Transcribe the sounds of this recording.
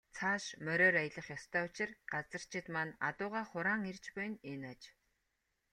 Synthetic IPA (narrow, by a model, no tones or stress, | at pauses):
t͡sʰaːʃmœɾʲɔːɾajə̆ɮə̆χjɔst̪ʰœːʊt͡ɕɪ̆rɢat͡sə̆r̥t͡ɕʰɪ̆t̪mana̰t̪ʊːʁaːχʊɾaːŋert͡ɕpʊj̆nenat͡ɕ